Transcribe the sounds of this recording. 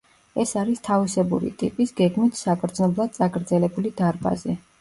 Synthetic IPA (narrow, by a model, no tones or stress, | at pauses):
ɛsaɾist̪ʰavisɛbṵɾḭt̪ʼḭpʼisɡɛɡmit̪ʰsakʰʼɾd̪znɔblˠad̪̚sʼakʼɾd̪zɛlɛbulid̪aɾba̰zɛ